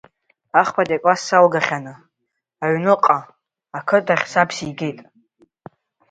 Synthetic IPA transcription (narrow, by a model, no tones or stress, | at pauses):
aχpʰadʼakʷʼasalɡaχʲanɨ | aɥnɨqʼaː | kʰɨdaχʲsapʰsijɡe̞jtʼ